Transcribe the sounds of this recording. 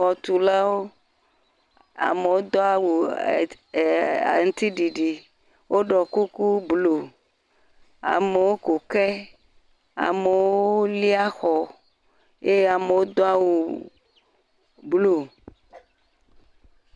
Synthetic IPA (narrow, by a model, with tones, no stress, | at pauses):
ɔ˨t̪u˨la˦wo˦ | a̰˨me˨wo˦d̪ɔ˦a˦wu˨ | a̰˨ŋ̩˦t̪i˦ɖi˨ɖi˨ | wʔo˦ɖɔ˨ku˦ku˦blo˨ | a̰˨me˨wo˦ko˨kɛ˦ | a̰˨me˨wwo˦li˦a˦xɔ˨ | e˦je˦a˨me˨wo˦d̪ɔ˦a˦wu˨ | blo˨